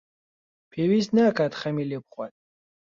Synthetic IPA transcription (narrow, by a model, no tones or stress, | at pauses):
pʰiwisnakʰat̪χɛmilɛpχwat̪̚